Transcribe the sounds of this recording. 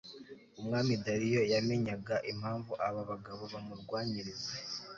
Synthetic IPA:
umŋaːmidaɾijo̞jame̞ɲaɡaʔim̥haːɱvuʔaβaβaɡaβo̞βamuɾɡwaːɲiɾize

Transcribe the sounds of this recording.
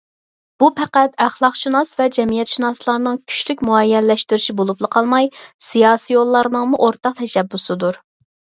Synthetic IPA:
b̥upʰæqæt̪æχlˠɑqʃinɑsvɛd͡ʒɛmijɛt̪ʃinɑslˠɑɾnɨŋkʲʰy̥ʃlykʲmuɛjːɛnlːɛʃt̪yɾyʃibolˠuplˠəqʰɑlˠmɑjsijɑːsijolˠːɑɾnəŋmuʔoɾt̪ɑq̚t̪ʰɛʃɛbːusɨd̪uɾ

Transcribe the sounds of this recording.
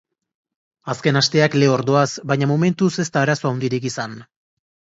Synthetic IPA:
aske̞nast̪e̞akle̞o̞ɾðo̞asbaɲamome̞nt̪use̞st̪aːɾaso̞awnd̪iɾikisan

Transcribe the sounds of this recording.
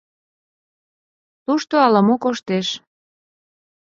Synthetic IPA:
t̪uʃt̪oɑləmokoʃt̪eʃ

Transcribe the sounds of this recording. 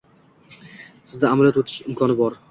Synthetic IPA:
sɪzd̪aaːmaljɒt̪wot̪ʰɪ̥ʃɪmkʰɒnɪbɒɾ

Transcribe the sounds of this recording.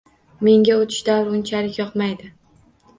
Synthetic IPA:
me̞ŋɡʲaot̪ʰɪ̥ʃd̪awɾʊnt͡ʃʰalɪkʲjɒqmajd̪ɪ

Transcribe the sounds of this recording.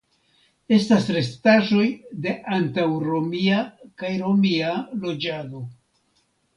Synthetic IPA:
e̞stasɾe̞staʒo̞jde̞ʔantawɾo̞miakajɾo̞mialo̞d͡ʒado̞

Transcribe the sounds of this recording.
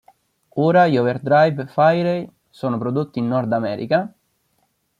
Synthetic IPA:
oːɾaiɔverd̪ɾajvfajɾej | soːnopɾod̪ot̪ːiːnːɔrd̪amɛ̰ːɾḭka

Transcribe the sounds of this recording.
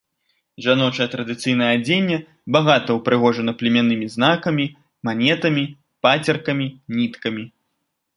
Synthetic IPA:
ʐanɔt͡ʂɐjɐt̪ɾɐd̪ɨt̪sɨjnɐjɛad͡zʲenʲːɛ | baɣat̪ɐwpɾɨɣɔʐɐnɐplʲimʲanɨmʲiznakɐmʲi | manʲɛt̪ɐmʲi | pat͡sʲɐrkɐmʲinʲit̪kɐmʲi

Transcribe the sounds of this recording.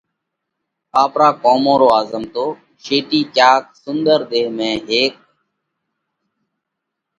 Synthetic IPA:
aːpɾaːkoːmõːɾoːaːzəmt̪oː | ʃeːʈiːkaːk̚sʊnd̪əɾd̪eːmẽːɦeːk̚

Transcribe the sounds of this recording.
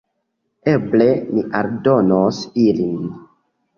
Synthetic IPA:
eble̞niʔaɾdo̞nosilin

